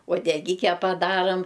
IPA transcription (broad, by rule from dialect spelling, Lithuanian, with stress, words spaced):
uɔdʲɛˈɡʲɪkʲɛ pɐˈdɑːrɐm